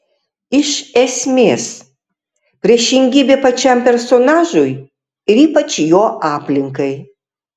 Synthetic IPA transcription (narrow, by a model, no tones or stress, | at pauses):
iʃesʲmʲes | pɾʲeʃiŋɡʲibʲepɐt͡ʃampʲersonaʒuj | ɾipɐt͡ʃjoʔaplʲiŋkɐj